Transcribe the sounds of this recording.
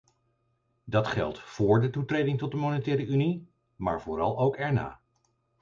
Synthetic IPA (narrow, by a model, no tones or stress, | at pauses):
dɑtχɛ̰lˠtfʊːɹdətutrejdɪŋtɔt̚dəmonətɛːɾəʔyni | ma̰ːɹvʊːɾɑ̰lˠowkɛɹna̰ː